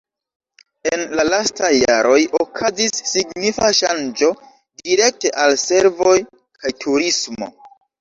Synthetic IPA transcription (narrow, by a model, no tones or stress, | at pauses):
enlalastajːa̰ɾo̞jokʰazisːiɡnifaʃand͡ʒo̞ | diɾe̞k̚te̞ʔalse̞ɾvo̞j | kʰajtʰuɾismo̞̰